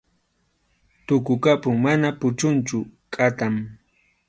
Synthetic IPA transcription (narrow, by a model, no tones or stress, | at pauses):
t̪ʊkʊkapʊŋmanapʊt͡ʃʊnt͡ʃʊkʼat̪am